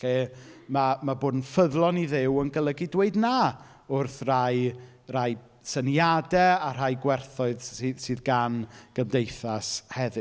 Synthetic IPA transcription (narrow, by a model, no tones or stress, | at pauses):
eːmamaboːdn̩fəðlˠɔniðɪwənɡəlˠəɡɪdweɨdnaː | ʊrθraj | raj | sənjadɛar̥ajɡwɛrθʊɨðsɨːðsɨːðɡanɡ̥əmdejθashɛðɨ